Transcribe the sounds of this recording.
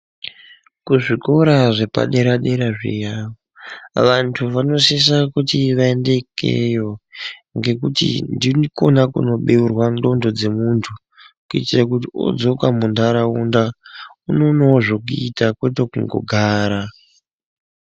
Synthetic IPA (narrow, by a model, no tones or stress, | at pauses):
kuʐikoɾaʐe̞pa̰ɗe̞ɾaɗe̞ɾaʐḭjaoʋantʰuʋano̞sis̬akutiʋaende̞kʰḛjo̞ŋɡe̞k̬utḭndinkonakṵno̞ɓeurwando̞ndo̞d͡ze̞muntʰu | kuitirak̬utio̰d͡zo̞kamundʱaɾaundaunonoʐok̬uitakwetokuŋɡo̞̰ɡʱaːɾa